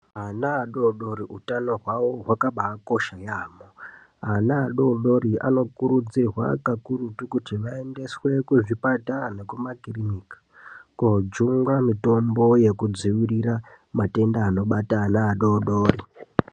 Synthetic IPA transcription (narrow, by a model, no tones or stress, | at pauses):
ɦanaːɗoɗo̞ɾiutano̞ɦwaʋo̞ɦwakaɓako̞ʃajaːmo | anaːɗo̞ɗo̞ɾia̰no̞kuɾud͡zirwa̰kakuɾutukutiʋae̞nde̞swe̞kuʐipatane̞kumakirinikḁ | kod͡ʒuŋɡamito̞mbo̞je̞kud͡ziʋiriɾa | mate̞ndaːno̞ɓataːnaːɗoɗoːri